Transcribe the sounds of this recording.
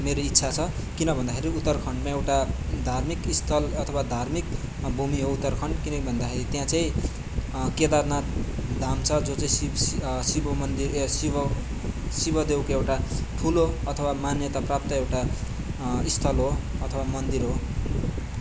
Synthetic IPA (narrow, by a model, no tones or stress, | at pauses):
meɾoitːsʰat͡sʰʌ | kinʌbʱʌnd̪akʰeɾiut̪ːʌrkʰʌɳɖmãewʈad̪ʱarmikist̪ʰʌlʌt̪ʰʌwad̪ʱarmik | bʱumiɦout̪ːʌrkʰʌɳɖkinʌkibʱʌnd̪akʰeɾit̪jãt͡saĩ | ked̪arnad̪ʱamt͡sʰʌd͡zot͡saĩsibʌmʌnd̪iɾsibʌ | sibʌd̪ewkoewʈaʈʰuloʌt̪ʰʌwamanjʌt̪aprap̚t̪ʌewʈa | ist̪ʰʌlɦoʌt̪ʰʌwamʌnd̪iɾɦo